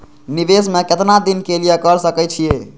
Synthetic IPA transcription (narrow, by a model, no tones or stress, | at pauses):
niʋesmeket̪nad̪inkelijekəɾsəkɛt͡ʃʰie